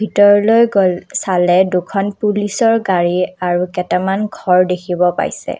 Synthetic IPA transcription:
bʱitɔɹɔlojɡolsalɛdukʰɔnpulisɔɹɡaɹiaɹukɛtɛmanɡʱɔɹdekʰibɔpa̰jsɛ̰

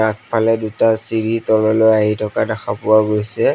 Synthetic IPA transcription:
ak̚pʰalɛdutasiɹitɔlɔlojaɦitʰɔkadaxʰapʊwaɡojsɛ

